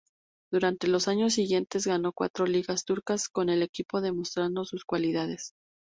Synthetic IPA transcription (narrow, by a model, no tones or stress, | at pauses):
d̪̥uɾant̪e̞lo̞saɲo̞s̬ːiɣje̞nt̪e̞zɣano̞kwa̰t̪ɾo̞liɣast̪uɾkasko̞ne̞le̞kipo̞ðe̞mo̞st̪ɾand̪o̞suskwaliðað̞e̞s